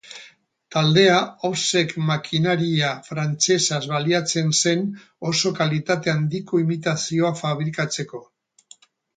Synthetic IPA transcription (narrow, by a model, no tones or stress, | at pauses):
t̪ald̪e̞aawse̞kmakʰinaɾiafɾant͡se̞sazβaliat͡se̞nse̞n | o̞so̞kalit̪at̪e̞and̪iko̞imit̪asio̞afaβ̞ɾikat͡se̞ko̞